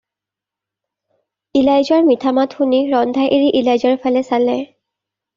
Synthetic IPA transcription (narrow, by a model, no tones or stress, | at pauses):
ilajzɔɹmitʰamatxuniɹɔndʱajʔeɹiʔilajzɔɹpʰalɛsalɛ